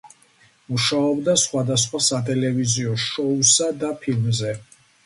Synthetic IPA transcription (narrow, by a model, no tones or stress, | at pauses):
muʃaɔbd̪asχwad̪asχwasat̪ʼɛlɛviziɔʃɔusad̪apʰilmzɛ